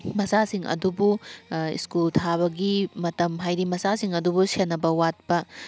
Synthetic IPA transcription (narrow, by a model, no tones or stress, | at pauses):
mɐsasiŋɐ̰dubuḭskultʰaβɐɡimɐtɐmɦajɾimɐsasiŋɐdubusenːɐbɐwat̚pɐ